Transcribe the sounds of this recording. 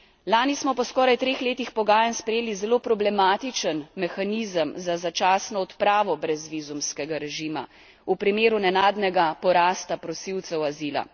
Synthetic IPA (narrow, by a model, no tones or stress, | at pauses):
laːnismɔpɔskɔːɾajt̪ɾeːxleːt̪ixpɔɡaːjanspɾɛjeːlizɛloːpɾɔblɛmaːt̪it͡ʃənmɛxaniːzəmzazat͡ʃaːsnɔːt̪pɾaːʋɔbɾɛzʋizumskɛɡaɾɛʒiːma̰ | upɾimeːɾunɛnaːd̪nɛɡapɔɾaːst̪apɾɔsiwt̪sɛwaziːla̰